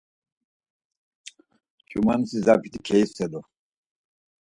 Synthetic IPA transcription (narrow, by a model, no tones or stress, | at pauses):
t͡ʃʰʼumansizapʰit̪ʰikʰɛjsɛd̪ɔ